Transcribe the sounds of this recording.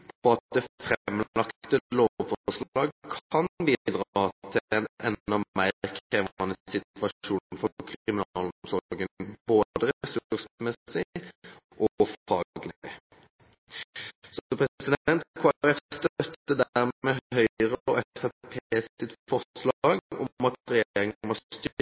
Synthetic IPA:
pʰɔɑt̪̚d̪ɛfɾmːlɑkt̪t̪əloːʋfɔʂlɑːɡkʰɑnbiːd̪ʁɑt̪ʰɪnɛnd̪ɑmæɪʁkʰeːʋɑnəsɪt̪ʋɑuːnn̩fɔɔkʰʁɪmɪnːlsɔɡənboːd̪əɾɛsʉʉʁsmɛsɪ | ʔɔfɑːɡlɪ | sɔpʰʁɛsɪd̪ɛnt̪kʰoːæʁɛfst̪œt̪ːəd̪æʁmɛɦœʏʁəɔɛfæpʰeːsɪt̪fɔslɑɡɔ̰ɑt̪ʁɛjeʁɪŋmɔt̪ː

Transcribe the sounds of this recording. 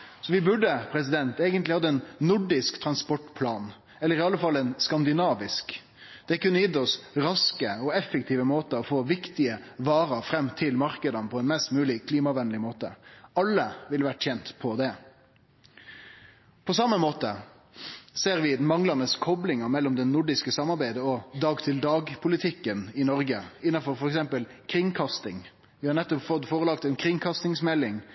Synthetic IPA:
sɔʋɪbʉɖːəpʰɾɛs̬ɪd̪ɛnt̪eːɡənt̪lɪhɑd̪ːəɛnːʊɖɪskt̪ʰɾɑnspɔʈpʰlɑːn | ɛlːəɾɪɑləfɑlːɛnskɑnd̪ɪnɑːʋɪsk | d̪̥ɛkʉnːəjɪd̪ɔsɾɑskəɔɛfək̚t̪ʰiːʋəmoːt̪əɔfoːʋɪkt̪ɪəʋɑːɾəfɾɛmːt̪ʰɪlmɑɾkəd̪ənəpʰɔɛnmɛst̪mʉːlɪkʰliːmɑʋɛnəlɪmoːt̪əɑlːəʋɪlʋæʈːçɛnt̪pʰɔd̪ɛ | pʰɔsɑmːəmoːt̪ə | seːɾʋɪd̪nmɑŋlɑnəskʰɔblɪŋɑmɛlːɔmd̪ɛnʊɖɪskəsɑmɑɾbæɪd̪əɔd̪ɑːɡt̪ʰɪld̪ɑːɡpʰʊlɪt̪ʰɪkːənɪnɔɾɡəɪnːɑfɔɾfɔɾɛksɛmpəl | kʰɾɪŋkʰɑst̪ɪŋ | ʋɪhɑɾnɛt̪ːɔpfɔt̪foːʁəlɑkt̪ɛnkʰɾɪŋkʰɑst̪ɪŋsmɛlːɪŋ

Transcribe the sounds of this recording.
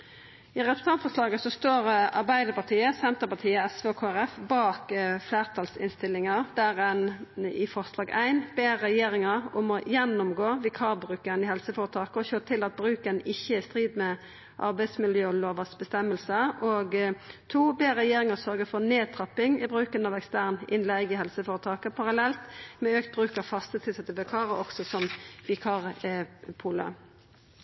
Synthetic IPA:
ɪʁɛt̪pə̥st̪ɑnt̪fɔʁslɑːɡəsɔst̪oːʁɑ̰ɾʁbæɪd̪əɾpɑʁt̪ʰiːəsɛnt̪əpɑt̪ʰiːəɛsʋeɔkʰoːæɾɛfbɑːkfleːʁt̪ʰɑlsɪ̰nst̪ɪlːɪŋɑʁd̪̥æʁɛnɪfɔʁslɑːɡæ̰ɪnbeːɾɛjeːɾɪŋəɾɔmɔjɛnʊmɡoːʋɪkʰɑːbɾʉːkəɾənɪhɛlsəfoːɾət̪ʰɑːkəɔçøːt̪ʰɪlɑt̪̚bɾʉːkənɪçːəɪst̪ʁiːd̪mɛ | ʔɑ̰ɾbæɪsmɪljøːɔloːʋəsbəst̪ɛmːəlsəoɡt̪ʰuːbeːʁɛjeːɾɪŋəsœɾɡəfɔʁneːt̪ʰɾɑpːɪŋɪbɾʉːkənɑʋɛkst̪æʁnɪnlæɪɡɪɦɛlsəfoːɾət̪ʰɑːkəpʰɑʁɑlɛlt̪mɛøːkt̪̚bɾʉːkəfɑst̪ət̪ʰɪlsɛt̪ːəʋɛkʰɑːɾəɔksɔsɔmʋɪkʰɑʁpʰuːlə̰

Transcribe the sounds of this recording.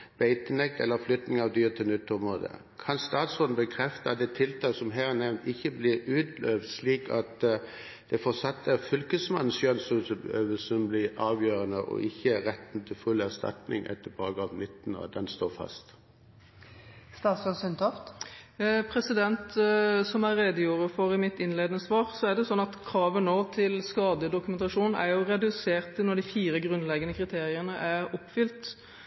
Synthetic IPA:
b̥æɪt̪ənɛk̚t̪ɛ̰lːəflʏt̪nɪŋɑʋd̪yːʁt̪ʰɪlnʏt̪ʰːʊmʁoːd̪ə̰ | kʰɑnst̪ɑːt̪sɔdn̩bəkʰʁɛft̪əɑt̪̚d̪ɛt̪ʰːɪlt̪ʰɑːsɔmɦæːʁnɛʋnt̪ɪçːəblɪɾʉːt̪løːʋd̪sliːkɑt̪ | d̪̥ɛfɔsɑt̪ːəfʏlkəsmɑn̩sʃøːnsɔsbøːʋəsɔmblɪʁɑːʋjøːʁənəʔɔ̰ʔɪçːəʁɛt̪ːn̩t̪ʰɪlfʉlæʁst̪ɑ̰t̪nɪ̰ŋʔɛ̰t̪ːəbɑːɡɑːʋnɪt̪ːn̩ɔ̰d̪ɛnst̪oːʁfɑ̰st̪ | st̪ɑːt̪sɔsʏnt̪ʰɔft̪ | pʰɾɛsɪd̪ɛnt̪sɔmæʁeːd̪əjuːɾəfɔɾɪmɪt̪ɪnleːd̪ənəsʋɑːʁsɔæʁɖ̪ɛʊsɔnːɑt̪kʰɾɑːʋənoːt̪ʰɪlskɑːd̪əd̪ʊkʉmɛnt̪ɑʂuːnæ̰ɾjʊʁɛd̪ʉseːʁt̪ɪnɔɖ̪ɪfiːɾəɡɾʉnlɛɡənəkʰʁɪt̪ʰeːʁɪənəʔæʁɔpːfʏlt̪

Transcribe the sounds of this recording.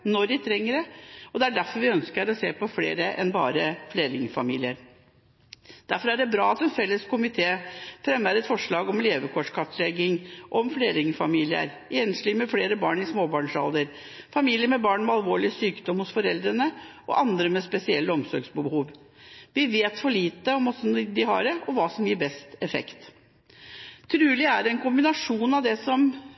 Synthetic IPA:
nɔɾdɪt̪ʰɾɛŋːəɾəɔd̪ɛæɖæɾfɔɾʋɪœnskəɾɔseːpɔflḛːɾəʔɛ̰nbɑ̰ːɾəfleːɾɪŋfɑ̰mḭːlɪəɾ | d̪̥æɾfɔɾæɖɛbɾɑːɑt̪ɛnfɛlːəskʊmɪt̪ʰeːfɾɛmːæɾɛt̪fɔʂɭɑːɡɔmleːʋəkʰɔʂkʰɑt̪lɛɡɪŋʔɔmfleːɾɪŋfɑmiːlɪə̰ɾ | ʔeːnəsliːmɛfleːɾəbɑːɳɪsmoːbɑːɳʂɑ̰ld̪əɾ | fɑmiːlɪəmɛbɑːɳmɛɑlʋoːɭɪəsyːkd̪ɔmhʊsfɔɾɛld̪ɾənəʔɔ̰ʔɑnd̪ɾəmɛspɛsɪɛlːəɔmsɔɾɡsbəbhuːʋ | ʋɪʋeːt̪fɔɭiːt̪əɔmɔsnd̪ɪhɑ̰ɾəʔɔʋɑːsɔmjiːɾbɛst̪ɛfɛ̰kt̪ | t̪ʰɾʉːlɪæɾɛnkʊmbɪnɑʂuːnɑʋd̪ɛsɔm

